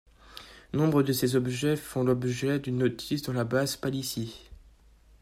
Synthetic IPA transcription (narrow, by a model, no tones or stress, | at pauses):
nɔ̃bʁəd̪əsezɔbʒɛfɔ̃lɔbʒɛd̪ynːot̪ʰisd̪ɑ̃labazpalisi